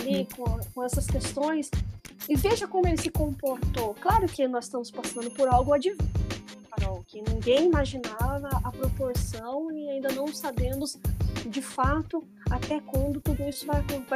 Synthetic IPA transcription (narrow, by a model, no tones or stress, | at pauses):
likõkõɛsɐskest̪õj̃sɪveʒɐkõmʊelɪsɪkõpoɾt̪oklaɾʊkɪnɔz̥st̪ɐ̃mʊspasɐ̃nd̪ʊpoɾawɡʊad͡ʒivifaɾɔwkɪnĩŋɡẽj̃imaʒinavɐɐpɾopoɾsɐ̃w̃ɪaĩnd̪ɐnɐ̃w̃sabẽmʊsd͡ʒɪfat̪ʊ | at̪ɛkwɐ̃nd̪ʊt̪ud̪ʊisʊvajkõva